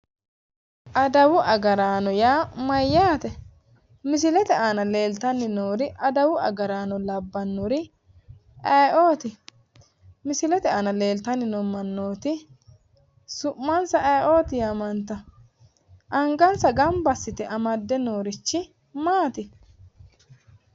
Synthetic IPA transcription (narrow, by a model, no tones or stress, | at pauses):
ʔɐd̪ɐwʊʔɐɡɐɾaːnɔjaːmɐjːaːt̪ɛ | mɪsɪlɛt̪ɛanɐle̞ːlt̪ɐnːɪnoːɾɪʔɐd̪ɐwʊɐ̰ɡɐɾaːnɔlɐbːɐnːʊɾɪ | ɐjʔoːt̪ɪ | mɪsɪlɛt̪ɛaːnɐle̞ːlt̪ɐnːɪnɔmɐnːoːt̪ɪ | sʊʔmːɐnsɐʔɐjʔoːt̪ɪjɐmɐnt̪ɐ | ʔɐŋɡɐnsɐɡɐmbɐsːɪt̪ɛʔɐmɐd̪ːɛnoːɾɪt͡ʃːɪ | maːt̪ɪ